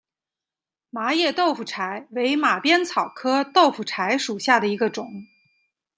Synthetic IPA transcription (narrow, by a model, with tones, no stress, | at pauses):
ma˧˥jɛ˥˩t̪o˥˩ʊfu˨˩ʈ͡ʂʰa˧˥ɪwe˧˥ɪma˨˩pjɛ˥nt͡sʰɑ˨˩ʊkʰɤ˥t̪o˥˩ʊfu˨˩ʈ͡ʂʰa˧˥ɪʂu˨˩ɕja˥˩d̪ə˩i˧˥ɡə˧ʈ͡ʂʊ˨˩˦ŋ